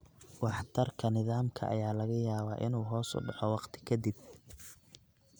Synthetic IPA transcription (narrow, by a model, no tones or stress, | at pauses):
wɑħt̪ʰɐrkʰɐnɪðaːmkʰɐ̰ʔɐ̰jaːlɐɣɐjaːβaːʔɪ̰nuːɦɔːsʊ̰ɖɑħɔwɑqt̪ʰɪ̥kʰɐd̪ɪb̚